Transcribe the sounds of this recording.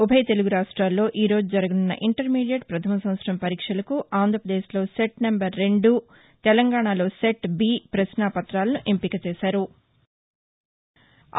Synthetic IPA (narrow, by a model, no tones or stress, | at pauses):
ubʱɐjt̪e̞luɡuɾaːʂʈɾaːlːo̞ːʔiːɾo̞ːd͡ʒud͡ʒɐɾɐɡɐnunːɐ̰ʔiɳʈɐɾmiːɖijɐɖpɾɐt̪ʰɐmɐsɐmɐt̪sɾɐmpɐɾiːkʂɐlɐkuʔaːnd̪ʱɾɐpɾɐd̪eːʃlo̞ːseʈnɐmbɐɾːe̞ɳɖu | t̪ɛlɐŋɡaːɳaːlo̞ːseʈbiːpɾɐsnaːpɐt̪ɾaːlɐnuʔempikɐt͡ʃɛːʃaːɾu